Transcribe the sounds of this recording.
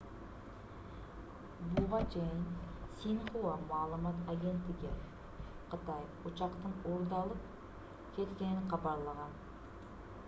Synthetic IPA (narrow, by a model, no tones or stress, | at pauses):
bʊʁɑt͡ʃʰejɪnsinχuwɑmʊɑlˠəmɑt̪aɡʲe̞nt̪ːɪɡʲɪ | qʰət̪ɑjʊt͡ʃɑqt̪əɴoɾd̪ɑlˠəp̚ | kʲʰe̞t̪kʲe̞nɪqɑbɑɾlˠɑʁɑn